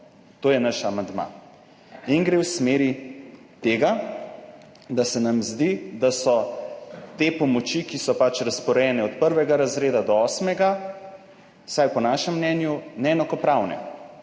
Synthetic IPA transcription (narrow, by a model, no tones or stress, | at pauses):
t̪oːjɛnaʃamand̪ma̰ | inɡɾewsmeːɾi | t̪eːɡa | d̪asɛnamzd̪id̪asɔ | t̪epɔmɔt͡ʃikisɔpat͡ʃɾaspɔɾɛjɛnɛɔt̪pəɾʋɛɡaɾazɾeːd̪ad̪ɔɔːsmɛɡa | sajpɔnaːʃɛmːnɛnjunɛɛnakɔpɾawnɛ̰